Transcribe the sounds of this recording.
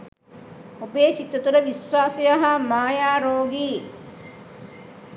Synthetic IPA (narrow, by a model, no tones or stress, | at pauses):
ubeːt͡ʃit̪ɐt̪uɾəʋiswaːsejɐɦɐmaːjaːɾoːɡiː